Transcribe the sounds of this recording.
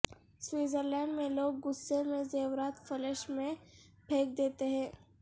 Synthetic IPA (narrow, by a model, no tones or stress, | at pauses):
swiːzəɾlɛ̃ːɳɖmẽloːɡːʊsːemẽzeːwɾaːt̪fəleʃmẽbʰʱeːk̚d̪eːt̪eɦɛ̃ː